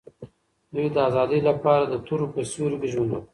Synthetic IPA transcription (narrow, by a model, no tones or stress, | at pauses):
d̪ujd̪əazɑd̪əjlapɑɾad̪ət̪ʰuɾopəsuɾɡeʒuna